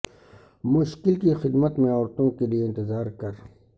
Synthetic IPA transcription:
mʊʃkɪlkixɪd̪mət̪mẽɔːɾt̪õkelieɪ̃nt̪ɪzaːɾkɐɾ

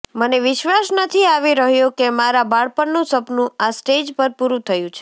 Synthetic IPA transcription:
məneʋɪʃʋasnət̪ʰiaʋiɾəɦjõkemaɾabaɭpəɳnũsəpnũasʈed͡ʒpəɾpuɾũt̪ʰəjũt͡ʃʰe̥

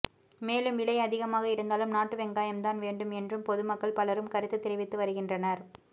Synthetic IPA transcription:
meːlɯmʋɪlɐɪɐðɪɣɐmaːɣɐɪɾɯnd̪aːlɯmnaːʈːɯʋɛŋɡaːjɐmt̪aːnʋeːɳɖɯmɛndrɯmpɔðɯmɐkːɐɭpɐlɐɾɯmkɐɾɯt̪ːɯt̪ːɪɾɪʋɪt̪ːɯʋɐɾɯɣɪndrɐnɐɾ

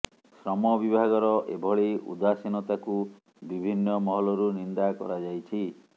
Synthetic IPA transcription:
sɾɔmɔbibʱaɡɔɾɔʔebʱɔɭeʔṵd̪asinɔt̪aku | bibʱinːɔmɔɦɔlɔɾunind̪akɔ̰ɾad͡ʒajt͡ʃʰi

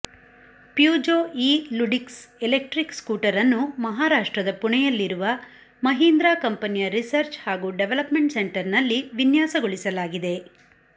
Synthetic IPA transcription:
pjuːd͡ʒoːiːluɖiksɛlek̚ʈɾikskuːʈɐɾɐnːumɐɦaːɾaːʂʈɾɐd̪ɐpuɳɛjɐlːiɾuʋɐ | mɐɦiːnd̪ɾaːkɐmpɐnijɐɾisɐɾt͡ʃhaːɡuːɖeʋelɐpmeɳʈseɳʈɐɾnɐlːiʋinjaːsɐɡoɭisɐlaːɡid̪e̞

